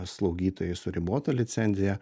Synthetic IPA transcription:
slˠɐʊɡʲiːt̪oːjɛɪsʊɾʲɪboːt̪olʲɪt̪sʲɛnʲzʲɪjɛ

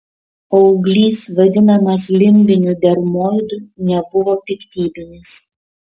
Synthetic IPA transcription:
ɐʊɡlʲiːsʋɐd̪ʲɪnɐmɐslʲɪmʲbʲɪnʲud̪ʲɛɾmoːjd̪unʲɛbʊʋoːpʲɪkt̪ʲiːbʲɪnʲɪs

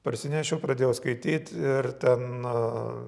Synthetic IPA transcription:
pɐɾʲsʲɪnʲɛʃʲɛʊpɾɐd̪ʲeːjɛʊskɐɪt̪ʲiːt̪ʲɪrt̪ʲɛn

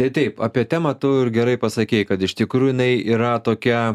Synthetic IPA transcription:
t̪ɐɪt̪ɐɪpa̰ːpʲiɛt̪ʲæːmɐt̪ʊɪrɡʲɛɾɐɪpɐsɐkʲɛɪkɐt̪ɪʃt̪ʲɪkɾuːjʊjɪnɐɪiːɾɐt̪oːkʲɛ

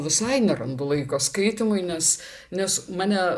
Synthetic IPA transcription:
ʋʲɪsɐɪnʲɛɾɐnd̪ʊlˠɐɪkoːskɐɪt̪ʲɪmʊɪnʲɛs | nʲɛsmɑːnʲɛ

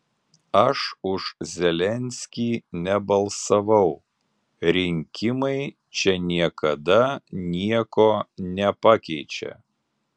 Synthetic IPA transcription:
ɐʃʊʃzʲɛlʲɛnʲsʲkʲiːnʲɛbɐlˠsɐʋɐʊ | ɾʲɪŋʲkʲɪmɐɪ | t͡ʃʲɛnʲiɛkɐd̪ɐnʲiɛkoːnʲɛpɑkʲɛɪt͡ʃʲɛ̰

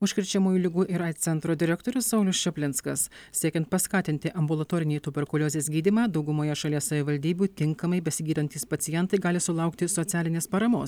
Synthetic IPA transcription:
ʊʃʲkʲɪɾʲt͡ʃʲɛmuːjuːlʲɪɡuːʔɪɾɐɪt̪t̪sʲɛnt̪ɾoːd̪ʲɪɾʲɛkt̪oːɾʲʊssɐʊlʲʊsʃʲɛpʲlʲɪnt̪skɐssʲiɛkʲɛnt̪̚pɐskɑːt̪ʲɪnʲt̪ʲɪʔɐmbʊlˠɐt̪oːɾʲɪnʲɛːt̪ʊbʲɛɾkɔlʲoːzʲeːsʲɡʲiːd̪ʲiːmɑːd̪ɒʊɡʊmoːjɛʃɐlʲiɛssɐʋʲɪʋɐlʲd̪ʲiːbʲuːt̪ʲɪŋkɐmɐɪbʲɛsʲɪɡʲiːd̪ɐnʲt̪ʲiːspɐt̪sʲɪjɛnt̪ɐɪɡɑːlʲɪsʊlˠɐˑʊkt̪ʲɪsɔt̪sʲæːlʲɪnʲeːspɐɾɐmoːs

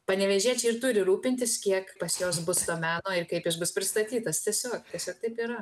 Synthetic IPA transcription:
pɐnʲɛʋʲɛʒʲiɛt͡ʃʲɪrt̪ʊɾʲɪɾuːpʲɪnʲt̪ʲɪskʲiɛkpɐsjoːs̬bʊst̪oːmʲæːnoːɪrkɐɪpɪʃbʊspʲɾʲɪst̪ɐt̪ʲiːt̪ɐst̪ʲiɛsʲoːkt̪ʲiɛsʲoːk̚t̪ɐɪpiːɾɐ

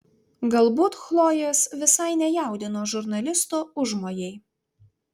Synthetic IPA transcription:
ɡɐlˠbuːt̪xlˠoːjesʋʲɪsɐɪnʲɛjæˑʊd̪ʲɪnoːʒʊɾnɐlʲɪst̪oːʊʒmoːjɛɪ

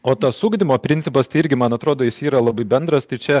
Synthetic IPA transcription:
oːt̪ɐssuːɡd̪ʲɪmoːpʲɾʲɪnʲt̪sʲɪpɐst̪ɐɪɪɾʲɡʲɪmɐnɐt̪ɾoːd̪oːjɪsiːɾɐlˠɐbɐɪbʲɛnd̪ɾɐst̪ɐɪt͡ʃʲɛ

